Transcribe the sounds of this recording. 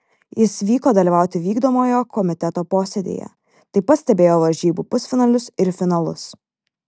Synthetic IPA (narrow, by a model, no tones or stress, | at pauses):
jɪsʋʲiːkoːd̪ɐlʲiʋɑˑʊt̪ʲɪʋʲiːɡd̪oːmoːjoːkɔmʲɪt̪ʲɛt̪oːpoːsʲɛd̪ʲḛːjɛ̰ | t̪ɐɪpɐt̪sʲt̪ʲɛbʲeːjoːʋɐɾʲʒʲiːbuːpʊsʲfʲɪnɐlʲʊsɪɾfʲɪnɐlˠʊs